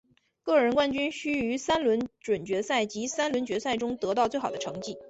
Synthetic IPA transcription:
kɤ˥˩ɻə˧˥nkwa˥˧nt͡ɕy˥nɕy˥y˧˥sa˥nlwə˧˥nʈ͡ʂwə˨˩nt͡ɕɥɛ˧˥sa˥˩ɪt͡ɕi˧˥sa˥nlwə˧˥nt͡ɕɥɛ˧˥sa˥˩ɪʈ͡ʂʊ˥ŋt̪ɤ˧˥t̪ɑ˥˧ʊt͡swe˥˩ɪxɑ˨˩d̪ə˦ʈ͡ʂʰɤ˧˥ŋt͡ɕi˥˩

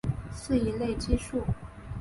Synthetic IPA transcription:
sɹ̩˥˩i˧˥le˥˩ɪt͡ɕi˥ʂu˥˩

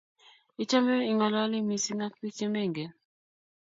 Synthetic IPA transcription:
i˦t͡ʃa˦me˦i˨ŋɔ˨la˦lɪ˦mi˨si˦ŋa˦ki˦t͡ʃe˦me˦˨ŋɡe˨

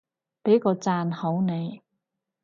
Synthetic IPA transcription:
pe˨˥jkɔː˧t͡saː˧nho˨˥wne˨˧j

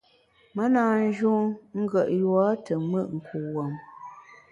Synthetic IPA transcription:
mə˦naː˨n˦d͡ʒu˦ŋŋ̩˦ɡə˨ʔjwa˦tə˨mə˦˨ʔŋ̩˨kʰu˨wɔ˨m

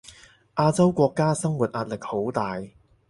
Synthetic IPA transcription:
ʔaː˧˥t͡sɐ˥wkʷɔː˧kːaː˥sɐ˥ŋwuː˨t̚ʔaː˧t̚lɪ˨k̚ho˨˥wt̪aː˨j

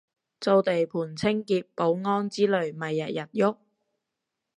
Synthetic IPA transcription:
t͡so˧wt̪e˨jpʰuː˨˩nt͡sʰɪ˥ŋkiː˧t̚po˨˥wŋɔː˥nt͡siː˥lɵ˨ɥmɐ˨jːɐ˨t̚jɐ˨t̚jʊ˥k̚

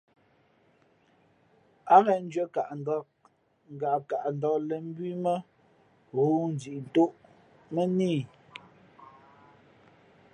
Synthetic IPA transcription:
a˦ɣɛ˨n̩˦d͡ʒɥe˦ka˨ʔn̩˨dɔ˦k̚ | ŋ̩˨ɡa˨ka˨ʔn˨dɔ˨lɛ˨m̩˦bɥi˦mə˦ | ɣo˦n̩˨d͡zi˨ʔn̩˨to˦ʔ | mə˦niː˦˨

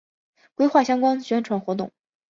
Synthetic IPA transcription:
kwe˥ɪxwa˥˩ɕjɑ˥ŋkwa˥nɕɥɛ˧˥nʈ͡ʂʰwa˧˥nxwɔ˧˥t̪̬ʊ̰˥˩ŋ

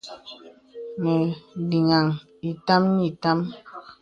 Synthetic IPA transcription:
mɛ˨di˨ŋa˨ŋ | i˨ta˦mɲi˦˨ta˦m

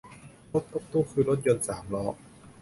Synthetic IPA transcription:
lo˦˥t̪ːo˦˥k̚t̪uː˥˩kʰɯː˧ɾo˦˥t̪̚jo˧nsaː˩˦mlɔː˦˥ʔ

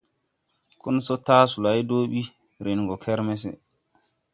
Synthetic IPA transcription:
ku˦nsɔ˦taː˦su˨la˨jdoː˦ɓi˦ | ɾi˨nɡɔ˨kʰɛ˦ɾmɛs̬ɛ̰˨

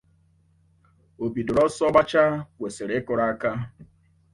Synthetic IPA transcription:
o˨bi˨dʊ˨ɾɔ˦sɔ˦ba˦t͡ʃa˦kʷe˨se˨ɾe˨˦kʊ˨ɾa˦a˦ka˦

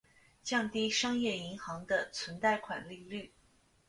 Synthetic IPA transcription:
t͡ɕjɑ˥˧ŋt̪i˥ʂɑ˥ŋjɛ˥˩i˧˥ŋxɑ˧˥ŋd̪ə˧t͡sʰwə˧˥nt͡sa˥˩ɪkʰwa̰˨˩nli˥˧ly˥˩

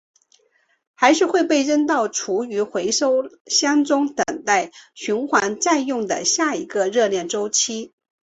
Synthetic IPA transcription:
xa˧˥ɪʂɻ̩˥˧xwe˥˧ɪpe˥˧ɪɻə˥nt̪ɑ˥˩ʊʈ͡ʂʰu˧˥y˧˥xwe˧˥ɪʂo˥ʊɕjɑ˥ŋt͡sʊ˥ŋt̪ə˨˩ŋt̪a˥˩ɪɕy˧˥nxwa˧˥nt͡sa˥˧njʊ˥˩ŋd̪ə̰˩ɕja˥˩i˧˥ɡə˧ɻɤ˥˧ljɛ˥˩nʈ͡ʂo˥ʊt͡ɕʰi˥

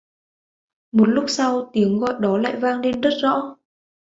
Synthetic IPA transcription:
mo˨˩t̚lʊ˦˥k͡p̚sa˧wt̪i˨˦əŋɣɔ̰˧˨jɗɔ˨˦la̰ː˧˨jvaː˧ŋle˧nzə˦˥t̚z̥ɔ̰˧˥

